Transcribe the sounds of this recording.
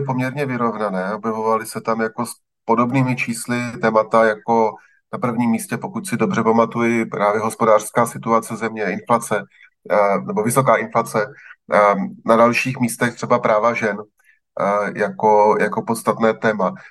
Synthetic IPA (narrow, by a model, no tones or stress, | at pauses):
ɪpo̞mɲɛɾɲɛvɪɾo̞vnanɛːaobjɛvo̞valɪsɛt̪amjako̞s | po̞do̞bniːmɪt͡ʃiːslɪt̪ɛːmat̪ajako̞ | napr̩vɲiːmːiːscɛpo̞kucsɪdo̞br̝ɛpamat̪ujɪpɾaːvjɛɦospo̞daːr̥skaːsɪt̪uat͡sɛzɛmɲɛɪnflat͡sɛ | nɛbo̞vɪso̞kaːʔɪnflat͡sɛ | nadalʃiːxmiːst̪ɛxt̪r̥ɛbapɾaːvaʒɛn | jako̞jako̞po̞t̪st̪at̪nɛːt̪ɛːma